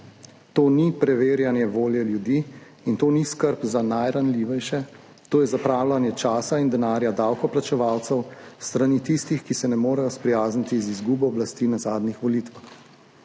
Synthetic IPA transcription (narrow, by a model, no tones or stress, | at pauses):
t̪oːnipɾɛʋeːɾjanjɛʋoːljɛljud̪iː | int̪oːniskəɾpzanajɾanliʋɛjʃɛ | t̪oːjɛzapɾaːwlanjɛt͡ʃaːsaind̪ɛnaːɾjad̪awkɔplat͡ʃɛʋaːwt̪sɛwst̪ɾanit̪ist̪ixkisɛnɛmoːɾɛjɔspɾɛjaːznit̪izizɡuːbɔːblast̪inazaːd̪nixʋɔliːt̪ʋax